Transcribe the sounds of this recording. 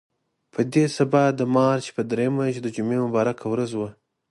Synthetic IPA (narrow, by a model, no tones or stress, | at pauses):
pʰəd̪esabɑd̪əmɑɾt͡ʃe̥pəd̪ɾejəmaʒd̪əd͡ʒʊmemʊbɑɾakawɾazwə